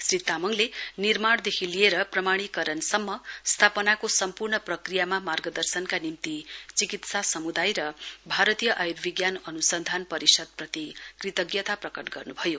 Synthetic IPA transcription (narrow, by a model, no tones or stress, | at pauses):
srit̪amʌŋlenirmaɽd̪ekʰilieɾʌprʌmaɽ̃ikʌɾʌnsʌmːʌst̪ʰapʌnakosʌmpurɳʌprʌkrijamamarɡʌd̪ʌrsʌnkanimt̪it͡sikit̪sasʌmud̪ajɾʌbʱaɾʌt̪ijʌʔajɾbiɡjanʌnusʌnd̪ʱanpʌɾisʌd̪̚prʌt̪ikrit̪ʌɡjʌt̪aprʌkʌʈɡʌrnubʱʌjo